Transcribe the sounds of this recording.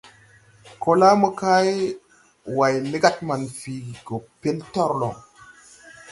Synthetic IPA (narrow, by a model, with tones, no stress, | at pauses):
ko˨la˦mə˦ka˦j | wa˨jni˦ɡa˦t̚ma˨nfi˨ɡo˨pe˦ltɔ˦ɾlo̰˨ŋ